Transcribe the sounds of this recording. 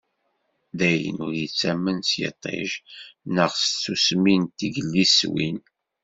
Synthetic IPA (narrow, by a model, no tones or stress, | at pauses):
ðæjə̰nʊɾjət͡sːæmːənsjə̰t̪ˤːḛʒnəʁst͡sːusmint̪əɡəlːiswḭn